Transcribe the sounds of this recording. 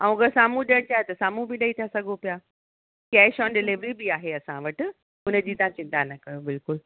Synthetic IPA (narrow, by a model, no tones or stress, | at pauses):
aũkəsaːmũɗiəɽ̃t͡ɕaːɦet̪ɐsaːmũbiɗɐit̪ʰasɐɡʱopijaː | kɐʃɔːnɖɪlɪʋɾibiaːɦeɐsãʋɐʈ̆ | ʊnəd͡ʑiːt̪ɐãt͡ɕɪ̃nt̪anɐkɐjobɪlkʊl